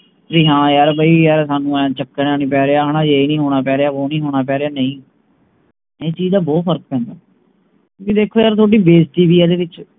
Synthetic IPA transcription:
d͡ʒiːɦãːjaːɾbaiːjaːɾsaːnũːɛ̃ːt͡ʃəkːəɳaːnĩːpɛːɾeːaːɦaːnãːd͡ʒeːiːnĩːɦoːɽ̃aːpɛːɾeːaːoːnĩːɦoːɽ̃aːp̬ɛːɾeaːnəĩː | eːt͡ʃiːzd̪aːbɔːt̪pʰəɾk̚pɛ̃ːnd̪aː | kjõːkɪd̪eːkʰːoːjaːɾt̪ʰoːɖiːbeːsʈiːʋiːɛːd̪eːʋɪt͡ʃ

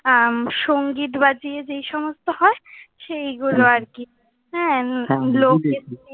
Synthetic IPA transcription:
aʃoŋɡiʈ̪bad͡ʑijed͡ʑejʃɔmost̪ohɔeʃejɡuloaɾki | ɦɛ̃loke

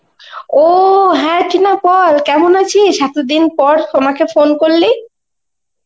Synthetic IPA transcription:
oɦɛ̃ʈinapɔlkɛmonat͡ɕʰiʃat̪od̪inpɔɾt̪omakefonkoɾle

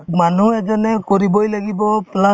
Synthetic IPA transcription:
manuɛzɔnɛkɔɹibɔjlaɡibɔpla

